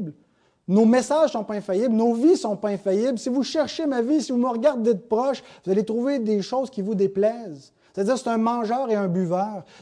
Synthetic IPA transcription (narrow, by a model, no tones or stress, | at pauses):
bl | nomesaʒ̥sɔ̃pɔɛ̃fajɪblnovisɔ̃pɔɛ̃fajɪblsivuʃɛʁʃemavisivuməʁɡaʁd̪ːɛt̪pʁɔʃvuzalet̪ʁuved̪eʃoːzkʲivud̪eplɛːz | se̥t̪add͡ziːʁse̥t̪ɛ̃mɑ̃ʒœːʁeɛ̃byvœːʁ